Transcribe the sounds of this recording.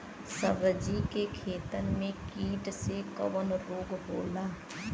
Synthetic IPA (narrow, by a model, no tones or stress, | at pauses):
səʋəd͡ʒikekʰeːt̪ənmẽkiːʈsekɐ̰ʋənɾoːɡboːlaː